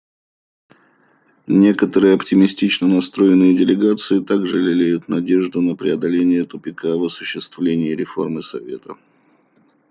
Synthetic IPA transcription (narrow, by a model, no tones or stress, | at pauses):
nʲe̞kət̪əɾɨjəɐptʲɪmʲɪsʲtʲit͡ɕnənɐst̪ɾo̞jɪnːɨjədʲɪlʲɪɡat̪sɨɪt̪aɡʐɨlʲɪlʲejʊt̪nɐdʲe̞ʐd̪ʊnəpɾʲɪɐd̪ɐlʲenʲɪjət̪ʊpʲɪkavəsʊɕːɪst̪vlʲenʲɪːɾʲɪfo̞̰rmɨsɐvʲe̞̰t̪ə